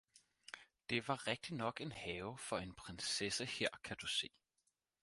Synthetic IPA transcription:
d̥e̝ʋɑ̈ʁeɡ̥̚d̥inɒ̽ɡ̥e̝nhɛːʊfɒ̽e̝npʰʁensesəhe̝ɐ̰kʰæd̥use̝̰ː

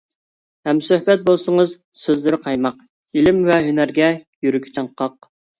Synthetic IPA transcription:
hɛmsøhbɛt̪̚bolˠsəŋəz | søzlɪɾɪqʰɑjmɑq̚ | ilɪmvɛɦynæɾɡʲɛjyɾykʲʰi̥t͡ʃʰɑɴqʰɑq̚

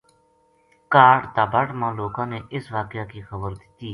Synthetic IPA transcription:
kaːʈt̪aːbaːʈmãːloːkãːneːʔɪsʋaːkɪjaːkiːxəbəɾd̪ɪt̪iː

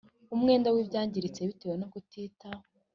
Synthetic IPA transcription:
umŋe̞ːndawibɟaːɲɟiɾit͡se̞βitewenoɡutʰiːtao

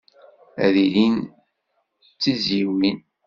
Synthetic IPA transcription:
æ̰ðilin | t͡sːiziwin

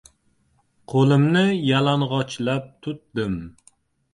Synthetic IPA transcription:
qʰolˠɪmnɪjalaɴʁɒt͡ʃlap̚t̪ʰʊt̪̚d̪ɪm

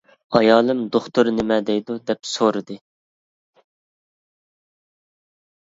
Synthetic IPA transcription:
ɑjɑːlˠɨmd̪oχt̪uɾnɪmɛd̪ɛjd̪ud̪ɛpsoɾɨd̪ɨ

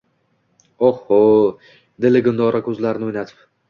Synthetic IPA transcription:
ohːo | d̪ɪlɪɡʊnd̪ɒɾakʲʰɵzlaɾɪnɪojnat̪ʰɪ̥p

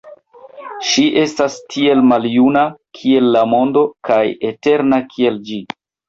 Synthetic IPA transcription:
ʃiʔe̞stastʰie̞lmaljunakʰie̞lːamo̞ndo̞kajete̞ɾnakʰie̞ld͡ʒi

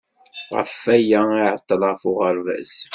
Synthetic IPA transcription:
ʁə̰fæjæiʕət̪ˤːələʁfʊʁəɾvæ̰s

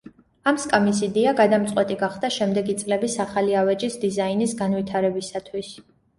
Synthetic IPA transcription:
amskʼamisid̪ɛaɡad̪amt̪sʼwɛt̪ʼiɡaχd̪aʃɛmd̪ɛɡit̪sʼlɛbisaχaliavɛd͡ʒisd̪izainisɡanvit̪ʰaɾɛbisat̪ʰwis

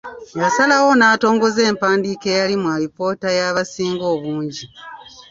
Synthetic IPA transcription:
jasalawo̞naːto̞ːŋɡo̞ze̞ːmpaːndiːke̞ːjalimwaɾipo̞ːtajaβasiːŋɡo̞ːβuːɲɟi

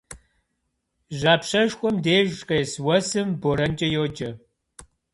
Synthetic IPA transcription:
ʑaːpɕɐʒxʷʼɔmdeːʒqʼeːswɐsɨmboɾɐnd͡ʒʼɐjoːd͡ʒɐ

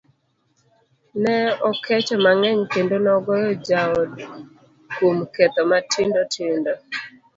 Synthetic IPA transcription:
nɛɔkɛt͡ʃɔmaŋɛɲkendonɔɡɔjɔd͡ʒaɔ | komkɛt̪ɔmatʰɪndɔtʰɪndɔ

